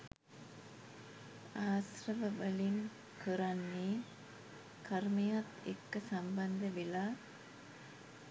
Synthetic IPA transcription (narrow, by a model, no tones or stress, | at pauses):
aːsrɐʋəʋəliŋ | kəɾanːeː | kɐɾmejat̪ḛkːəsɐmbɐnd̪əʋelaː